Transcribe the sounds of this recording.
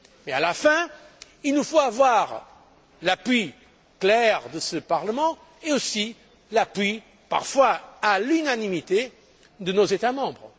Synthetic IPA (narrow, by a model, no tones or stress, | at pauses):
mɛalafɛ̃ | ilnufoavwaʁ | lapɥi | klɛʁd̪əsəpaʁləmɑ̃ | eosi | lapɥi | pa̰ʁfwaalynanimit̪e | d̪ənozet̪amɑ̃bʁ